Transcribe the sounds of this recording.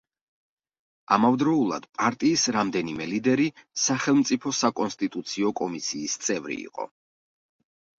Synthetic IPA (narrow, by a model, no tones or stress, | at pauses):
a̰mavd̪ɾɔulˠa̰d̪̥pʼaɾt̪ʼiːsɾamd̪ɛnimɛlid̪ɛɾisaχɛlˠmt̪sʼipʰɔsakʼɔnst̪ʼit̪ʼut̪sʰiɔkʼɔmisiːst̪sʼɛvɾḭḭqʼɔ̰